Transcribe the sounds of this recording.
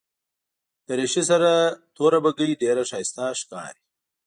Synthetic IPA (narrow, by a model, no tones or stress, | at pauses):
d̪̥əɾeʃisaɾat̪oɾabaɡəɽideɾaʃɑːɪst̪aʃkɑ̰ːɾi